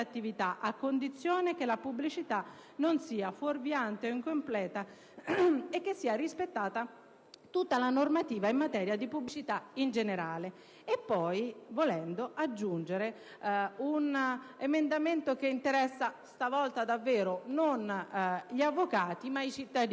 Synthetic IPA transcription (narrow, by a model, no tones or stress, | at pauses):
at̪ːivit̪aʔakːond̪it̪sːjoːnek̟elapubːlit͡ʃit̪a | nonsiːaforvjant̪eoiŋkomplɛːt̪a | ek̟ːesːiːaɾispet̪ːaːt̪a | t̪ut̪ːalanormat̪iːvaimːat̪ɛːɾjad̪ipubːlit͡ʃit̪aind͡ʒeneɾaːle | epːɔjvolɛnd̪oʔad͡ʒːund͡ʒeɾe | unemend̪ament̪okeint̪eɾɛsːast̪avɔlt̪ad̪avːɛːɾononʎiavːokaːt̪imait͡ʃit̪ːad̪